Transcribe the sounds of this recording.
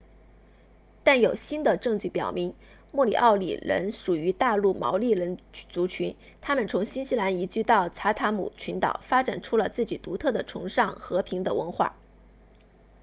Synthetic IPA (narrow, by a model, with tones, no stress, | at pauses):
t̪a˥˩njo˨˩ʊɕi˥nd̪ə˨ʈ͡ʂɤ˥˧ŋt͡ɕy˥˩pjɑ˨˩ʊmi˧˥ŋ | mwɔ˥˩lḭ˨˩ʔɑ˥˩ʊlḭ˨˩ɻə̰˧˥nʂu˨˩y˧˥t̪a˥˧lu˥˩mɑ̰˧˥ʊli˥˩ɻə˧˥nt͡su˧˥t͡ɕʰy˧˥n | t̪ʰa˥mə˨nt͡sʰʊ˧˥ŋɕi˥nɕi˧˥la˧˥ni˧˥t͡ɕy˥˧t̪ɑ˥˩ʊt͡sʰa˧˥t̪ʰa˧˥mṵ˨˩t͡ɕʰy˧˥nt̪ɑ̰˨˩ʊfa˥ʈ͡ʂa˨˩nʈ͡ʂʰu˥lə˨t͡sɹ̩˥˩t͡ɕi˨˩t̪u˧˥t̪ʰɤ˥˩d̪ə˩ʈ͡ʂʰʊ̰˧˥ŋʂɑ˥˩ŋxɤ˧˥pʰi˧˥ŋd̪ə̰˧wə̰˧˥nxwa̰˥˩